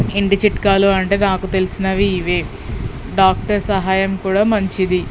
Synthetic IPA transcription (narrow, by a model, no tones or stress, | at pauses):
iɳʈit͡ʃiʈkaːluɐɳʈe̞ːnaːkut̪e̞lisinɐʋiːʋeː | ɖaːk̚ʈɐɾsɐɦaːjɐmkuːɽaːmɐɲt͡ʃid̪i